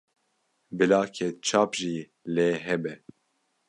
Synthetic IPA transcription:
bɨlɑːkʰɛt͡ʃʰɑːpʒiː | leːɦɛbɛ

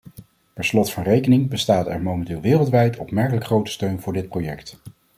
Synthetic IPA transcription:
tɛnslɔtfɑnrejkənɪŋbəstaːtɛ̰ɹmowmɛntɪːlˠʋɪːrəlˠtʋɛjtʰɔpmɛɹkələkχrowtə̥støɥnvʊːɹdɪt̚prowjɛkt

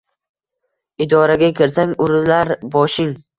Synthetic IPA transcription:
ɪd̪ɒɾaɡʲakʲʰɪɾsaŋʲʊɾlaɾbɒʃɪŋ

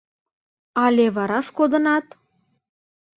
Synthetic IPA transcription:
ɑlʲeβɑɾɑʃkod̪ə̆nɑt̪

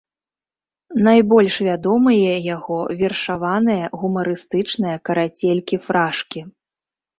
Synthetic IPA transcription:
najbɔlʲʂvʲad̪ɔmɨjɛjaɣɔvʲɛrʂavanɨjɐɣumɐɾɨst̪ɨt͡ʂnɨjɐkɐɾat͡sʲelʲkʲifɾaʂkʲi

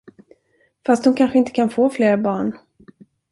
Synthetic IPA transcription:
fast̪̚hʊnkʰanɧəɪnt̪ə̥kʰanfoːfleːɾbɑːɳ

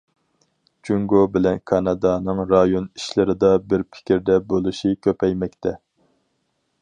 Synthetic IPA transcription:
t͡ʃʰyŋɡobɪlɛnkʰɑnɑd̪ɑnɨŋɾɑjoni̥ʃlɪɾɪd̪ɑbɪɾpʰɪ̥kʲiɾd̪ɛbolˠuʃikʲʰøpɛjmɛkʲt̪ʰɛ

